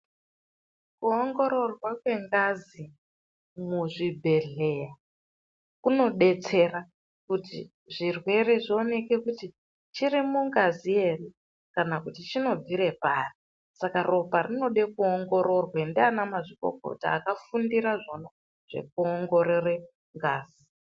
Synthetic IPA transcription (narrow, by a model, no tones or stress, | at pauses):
kuoŋɡo̞ɾo̞rwakwe̞ŋɡazi | muʐibʱe̞ɮe̞ja | kuno̞ɗe̞t͡se̞ra | kutḭ | ʐirwe̞re̞ʐio̞ne̞ke̞kuti | t͡ʃirimuŋɡazie̞ri | kanakutit͡ʃino̞b͡viɾe̞paːri | sakaro̞parino̞ɗe̞kuoŋɡo̞ɾo̞rwendianamaʐiko̰ko̰ta̰ːkafundiɾaʐo̞no̞ | ʐ̥e̞̰k̚uoŋɡo̞ɾere | ŋɡaːzi